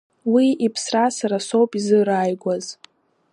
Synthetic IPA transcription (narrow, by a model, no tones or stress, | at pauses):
wiipʰsrasaɾaso̞wpʼizɨɾaːjɡʷaz